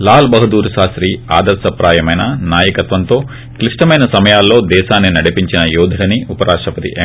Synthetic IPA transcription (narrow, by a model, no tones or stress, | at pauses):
laːlbɐɦɐd̪uːɾʃaːsɾiːaːd̪ɐɾsɐpɾaːjɐmɐjnɐnaːjɐkɐt̪ʋɐnt̪o̞ː | kliʂʈɐmɐjnɐsɐmɐjaːlːo̞ːd̪ɛːʃaːnːinɐɽipiɲt͡ʃinɐjuːd̪ʱɐɽɐniupɐɾʔaːʂʈɐpɐt̪ḭʔ